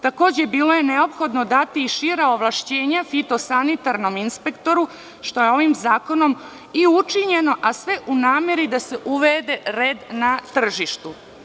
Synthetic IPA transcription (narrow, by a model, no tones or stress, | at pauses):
t̪ako̞ːd͡ʑe̞biːlo̞je̞ne̞o̞pxo̞d̪no̞d̪at̪iːʃiɾaoʋlˠaʃt͡ɕe̞ːɲafit̪o̞sanit̪aɾno̞minspe̞kt̪o̞ɾu | ʃt̪o̞jeo̞ʋimzaːko̞no̞m | iut͡ʃiɲe̞no̞ʔasʋe̞ʔunaːme̞ɾid̪ase̞ʔuʋed̪e̞ɾeːd̪nat̪r̩ʒiʃt̪u